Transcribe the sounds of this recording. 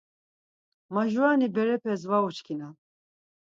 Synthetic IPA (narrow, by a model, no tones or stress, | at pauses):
maʒuanibɛɾɛpʰɛzvaut͡ʃkʰina